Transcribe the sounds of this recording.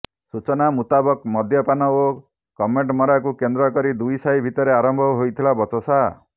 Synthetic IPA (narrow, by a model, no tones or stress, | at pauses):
sut͡ʃɔnamut̪abɔkmɔd̪ʱjɔpanɔo | kɔmeɳʈmɔɾakukend̪ɾɔkɔɾid̪ujsajbʱit̪ɔɾeaɾɔmbʱɔɦojt̪ʰilabɔt͡ʃɔsa